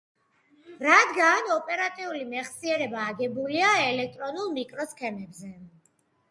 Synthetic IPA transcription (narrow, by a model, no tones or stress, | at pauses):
ɾad̪ɡanɔpʼɛɾat̪ʼiulimɛχsiɛɾɛbaːɡɛbuliaɛlɛk̚ʰt̪ʼɾɔnulˠmikʼɾɔskʰɛmɛbzɛ